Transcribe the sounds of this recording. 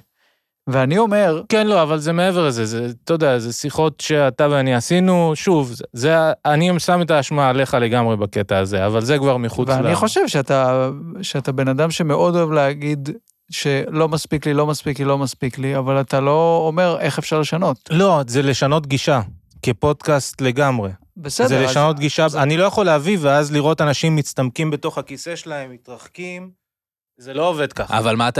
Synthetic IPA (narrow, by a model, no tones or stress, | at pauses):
veanio̞me̞ʁkenlo̞avalzemeeveʁlezezet̪od̪eazesiχo̞tʃeataveaniasinuʃuvzeaniemsametaːʃmaale̞χale̞ɡamʁe̞baketaːze̞avalze̞kvaʁmiχuveaaniχo̞ʃevʃeataʃeatabe̞nadamʃe̞me̞ʔo̞do̞evleaɡid̪ | ʃe̞lo̞maspiklilo̞maspiklilo̞maspikliavalat̪alo̞ːme̞ʁe̞χe̞fʃaʁleʃano̞t̪lo̞zele̞ʃano̞tɡiʃakepo̞d̪kastle̞ɡamʁe̞ | besedzeleʃano̞t̪ɡiʃaanilo̞jaχo̞leaviveazliʁo̞tanaʃimːit͡st̪amkimbe̞to̞χakise̞ʃelaemːit̪ʁaχkim | zelo̞ove̞d̪kaχavalmat